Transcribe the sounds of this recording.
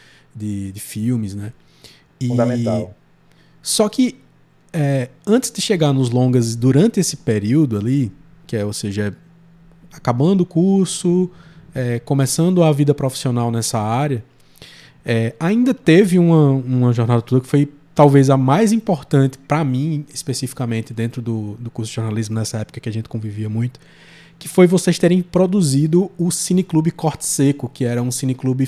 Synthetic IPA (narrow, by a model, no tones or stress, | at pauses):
d̪ɪd̪ɪfiwmɪznɛ | ĩẽt̪a | sɔkɪ | ɛ | ɐ̃nt̪ɪ̥zd̪ɪʃeɡaɾnʊzlõɡɐzd̪uɾɐ̃nt̪ɪesɪ̥peɾiwd̪ʊali | kɪɛoseʒɐɛ | akabɐ̃nd̪ʊkuɾsʊɛkõmɛsɐ̃nd̪ʊavid̪ɐpɾofi̥sionawnɛsɐaɾjɐ | ɛaĩnd̪ɐt̪evɪũmɐũmɐʒɔɾnad̪ɐt̪od̪ɐkɪ̥foj | t̪awvezɐmajzĩpoɾt̪ɐ̃nt̪ɪ̥pɾɐmĩispesifi̥kamẽnt̪ɪd̪ẽnt̪ɾʊd̪ʊd̪ʊkusʊd̪ɪʒɔɾnalizmʊnɛsɐɛpʊ̥kɐkɪaʒẽnt̪ɪ̥kõviviɐmũj̃t̪ʊ̥ | kɪ̥fojvosejst̪eɾẽj̃pɾod̪uzid̪ʊʊsĩnɪklubɪkɔɾt̪ɪ̥sekʊkɪɛɾɐũsĩnɪklubɪ